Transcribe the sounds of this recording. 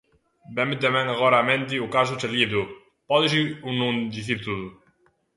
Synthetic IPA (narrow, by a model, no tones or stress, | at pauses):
bɛmɪt̪̬emɛ̃ŋaɣɔɾaːmẽnt̪̬ɪʊkas̬ʊt͡ʃaliðʊ | pɔðɪsiunũŋd̪iθiɾt̪uðʊ